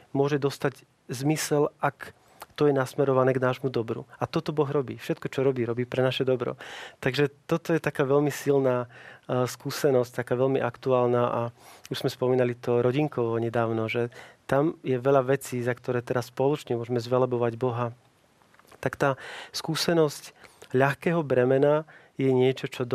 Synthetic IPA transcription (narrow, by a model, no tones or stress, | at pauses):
mʊɔʒɛd̪ɔst̪aɟ | zmisɛlak | t̪ɔjɛnasmɛɾɔʋanɛːɡnaːʒmud̪ɔbɾṵat̪ɔt̪ɔbɔɣɾɔbḭːfʃɛt̪kɔt͡ʃɔɾɔbiːɾɔbiːpɾɛnaʃɛd̪ɔbɾɔ̰t̪aɡʒɛt̪ɔt̪ɔjɛt̪akaːʋɛʎmisilnaːskuːsɛnɔsct̪akaːʋɛʎmiʔakt̪uaːlnaːʔauʒz̥mɛspɔmiːnalit̪ɔɾɔɟiŋkɔʋɔɲɛd̪aːʊnɔʒɛt̪amjɛʋɛʎaʋɛt͡siːzakt̪ɔɾɛːt̪ɛɾaspɔlɔt͡ʃɲɛmʊɔʒɛmɛzʋɛlɛbɔʋaɟbɔɦa | t̪akt̪aːskuːsɛnɔscʎaxkɛːɦɔbɾɛmɛna | jɛɲɪɛt͡ʃɔt͡ʃɔd̪